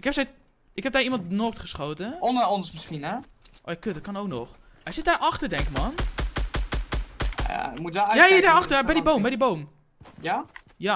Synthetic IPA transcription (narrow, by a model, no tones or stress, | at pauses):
ɪkhɛpsɛj | ɪkhɛp̚dɛimɑntnoːktχəsχoːtəɔnəɔnsmɪsχinɛʔoːjakøtdɔt̚kɑnowknɔx | ɛsɪt̚aʔɑxtərdɛŋkmɔn | a̰mutɛjaiədaaxtəbɛjdiboːmbɛjdiboːm | ja | ja